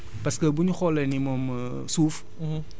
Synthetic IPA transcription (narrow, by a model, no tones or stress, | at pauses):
paskəbuɲuxɔlɛnimom | suf